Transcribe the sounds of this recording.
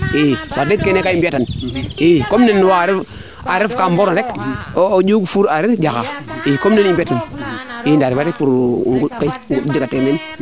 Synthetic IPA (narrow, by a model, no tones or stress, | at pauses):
iwadekːenekaimbiatanikomnenːwaɾif | aɾifkamboɾnɾekː | d͡ʒuɡfuɾaɾifd͡ʒaka̰ikomnenimbiatanindaɾifaɾipuɾ̰ŋɡukaiŋɡudikateme